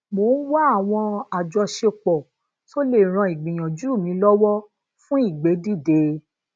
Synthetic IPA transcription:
mo˨˦wa˦a˦˨w̃ɔ̃˧a˨d͡ʒɔ˧ʃe˧k͡pɔ˨ | so˦le˦˨ɾ̃ã˧i˨ɡ͡bĩ˨j̃ã˨d͡ʒu˦u˦˨mĩ˨˧˦lɔ˦wɔ˦ | fũ˦i˦˨ɡ͡be˨˦di˦˨de˧˦

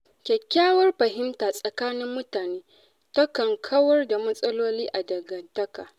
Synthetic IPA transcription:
kʲɛ˨kʲːaː˦wɐ˦rɸɐ˨ɦɪ˦mtaː˨sʼɐ˨kaː˦nɪ˦mːʊ˦taː˨neː˦ | tɐ˦kɐ˨ŋkʰɐ˦wɐ˦rda˨mɐ˦sʼɐ˦loː˦liː˦ʔa˨dɐ˨ɡɐ˨dɐ˦kaː˨

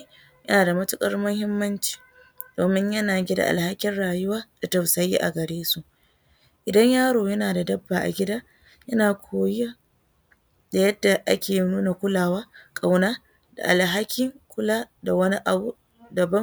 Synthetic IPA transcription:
jɐ˦naː˨da˨mɐ˦tʊ˦kʼɐ˦rmʊ˦hɪ˦mːɐ˦nt͡ʃi̥ː˨ | d̥oː˨mɪ˦ɲjɐ˦naː˨ɡʲi˦da̰˨ʔa̰˨lha˦kʲɪ˦nɽaː˨jʊ˦waː˦d̥a˨tɐ˨wsɐ˨ji˦ʔa̰˨ɡɐ˨ɽeː˦su˨ʔ | ʔɪ˨dɐ˦ɲjaː˦ɾoː˨jɐ˦naː˨da˨dɐ˦bːaː˨ʔa̰˨ɡʲɪ˦daː˦ | jɐ˦naː˨kʷʰoː˨ja˦ | da˨jɐ˦dːa˨ʔa̰˦kʲeː˨jnuː˦na˨kʷʊ˦laː˨waː˦kʼa˨wnaː˦ | d̥a̰˨ʔa˨lɦa˦kʲɪ˦ŋkʷʊ˦laː˦da˨wɐ˦ni˦ʔa˨bu˦ | dɐ˨bɐ˦

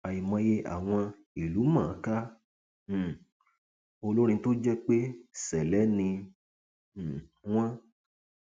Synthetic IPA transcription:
a˨ji˨mɔ̃˧je˧ʔa̰˨w̃ɔ̃˧ | i˨lu˨˦mã˦˨˦kã˦˨ | o˧lo˦ɾ̃ĩ˧˦to˦d͡ʒɛ˦k͡pe˦sɛ˨lɛ˨˦nĩ˧˨ | w̃ɔ̃˦

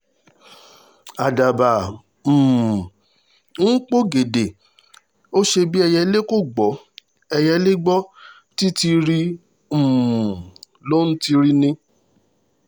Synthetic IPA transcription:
a˨da˨ba˨ | m̩ː˨ | ŋ̩˦k͡po˦ɡe˨de˨ | o˦ʃe˧bi˦ɛ˧jɛ˧le˦ko˦˨ɡ͡bɔ˨˦ | ɛ˧jɛ˧le˦ɡ͡bɔ˦ | ti˦ti˧ɾi˦ | m̩ː˨ | lo˦n̩˦ti˧ɾi˦nĩ˧

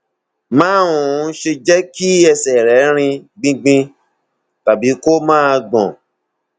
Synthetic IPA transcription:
mãː˦ũ˨˦ʃe˧d͡ʒɛ˦ki˦ɛ˧sɛ˨ɾɛ˨˦ɾ̃ĩ˧ɡ͡bĩ˧ɡ͡bĩ˧ | ta˨bi˨˦ko˦mãː˦˧ɡ͡bɔ̰̃˨

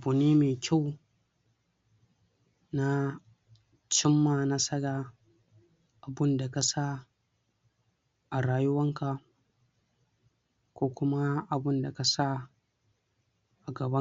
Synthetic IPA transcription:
bʊ˨niː˦meː˨kʲa˦˨w | na˦ | t͡ʃɪ˦mːaː˨na˦sɐ˦ɽaː˨ | ʔa˨bʊ˦nda˨ka˨sa˦ | ʔa˨ɽaː˦jʊ˦wɐ˦ŋka˨ | kʷoː˦kʷʊ˦ma˦ʔa˨bʊ˦nda˨ka˨sa˦ | ʔa˨ɡɐ˨bɐ˦

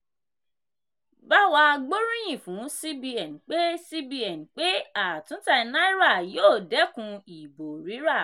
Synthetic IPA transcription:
ba˦wa˧ɡ͡bo˦ɾũ˦j̃ĩ˦˨fũ˨˦si˦bi˧ɛ˨n˨k͡pe˦si˦bi˧ɛ˨n˨k͡pe˦a˨tũ˨˦ta˧i˧nã˦i˦ɾa˦˨joː˦˨dɛ˨˦kũ˧i˨bo˨ɾi˨˦ɾa˦˨

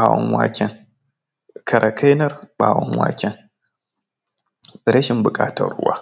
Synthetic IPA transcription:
a˨wɔ˦nwa̰ː˦kʲɛ˦ŋ | kʰɐ˨ɾʔɐ˨kʰa˦jnɐ˦rɓaː˨wɔ˦nwa̰ː˦kʲɛ˦ŋ | ɪ˨ɾɐ˦ʃɪ˦mbʊ˨kʼaː˦tɐ˦rːʊ̰˦waː˦

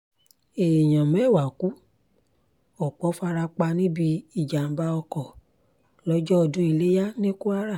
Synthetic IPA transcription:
e˨j̃ã˨mɛ˨˦˨wa˨ku˨˦ | ɔ˨k͡pɔ˨˦fa˧ɾa˧k͡pa˧nĩ˦bi˧i˦˨d͡ʒa˨m̩˦ba˧ɔ˧kɔ˨ | lɔ˦d͡ʒɔ˦ɔ˧dũ˦i˧le˦ja˦nĩ˦ku˦a˦ɾa˦˨

